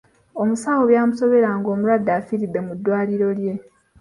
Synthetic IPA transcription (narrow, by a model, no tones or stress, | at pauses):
o̞musaːwoβjaːmuso̞βe̞ɾaŋɡo̞ːmuɾwadːaːfiɾidːe̞mudːwaːliɾo̞lje̞